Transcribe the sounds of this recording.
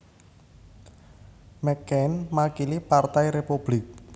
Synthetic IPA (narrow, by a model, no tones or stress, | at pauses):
mɛkɛnmakilipart̪ajɾepub̥lɪk̚